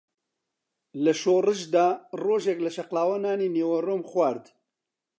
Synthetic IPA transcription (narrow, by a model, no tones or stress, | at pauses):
lɐʃoːrɨʃd̪aːroːʒɛklɐʃɐqlaːwɐnaːniːneːwɐroːmxwaːɾd̪